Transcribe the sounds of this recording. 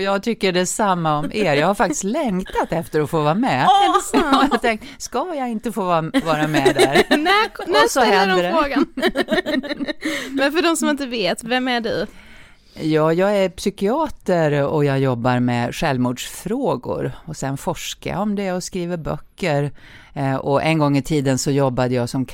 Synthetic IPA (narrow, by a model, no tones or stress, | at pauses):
ɔjɑːɡt̪ʰʏkːəɖɛsamːaɔmeːɾjɑːɡhaɾfak̚t̪ɪ̥st̪lɛŋt̪at̪ɛft̪əɾɔfoːvɑːɾamɛ | t̪ʰɛŋk̚t̪skajɑɪnt̪əfoːvɑvɑːɾamɛd̪æɾnɔsɔɦɛld̪ɾəfoːɡa | mɛnfœɖɔmsɔmɪnt̪əveːt̪vɛmæɖʉ | jɑːjɑːɡæɾpsʏkɪɑːt̪əɾɔjɑːjɔbːaɾmɛɧɛlvmuːɖʂfɾoːɡʊ̰ɾɔsɛnfɔʂka̰ja̰ɔmd̪ɛɔskɾiːvəɾbœ̰kːəɾ | ɔʔɛ̰nɡɔŋːɪt̪ʰiːd̪ənsɔjɔbːad̪əjɑːsɔm